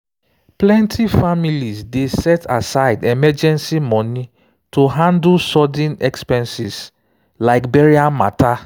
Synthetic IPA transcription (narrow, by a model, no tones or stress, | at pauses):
plɛ̃ntʰifamilizdesɛtasaɪdɛmɛd͡ʒɛ̃nsimɔ̃ni | tʰuɦãndlsɔdɛ̃nɛkspɛ̃nsiz | laɪkbɛɹiãma̰tʰa